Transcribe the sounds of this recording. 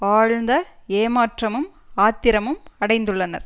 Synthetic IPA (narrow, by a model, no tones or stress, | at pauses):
aːɻnd̪ɐeːmaːʈrɐmɯmaːt̪ːɪɾɐmɯmɐɽɐɪnd̪ɯɭːɐnɐ̰ɾ